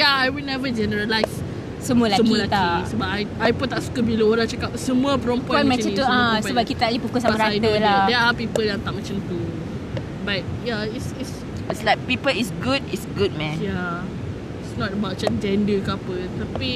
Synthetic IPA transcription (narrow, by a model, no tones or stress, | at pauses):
jaajwilnɛvəd͡ʒɛnəɹəlajs | səmuəlasəmuəlat̪aisəbap̚ajajput̪ːaʔsu̥kəbiləoɾãŋt͡ʃakap̚səmũəpɾɔ̃mpɔ̃mɛ̃t͡ʃnt̪uãsəbap̚kit̪aalipukʊsamaɾaajd̪əladɛapipəljãŋt̪aʔ̚mɛt͡ʃãmt̪u | bat̚jaisits | tslajk̚pipəlisɡuditsɡud̚mɛ̃nja | isnɔtəbawt̚d͡ʒasd͡ʒɛ̃ndəkapət̪api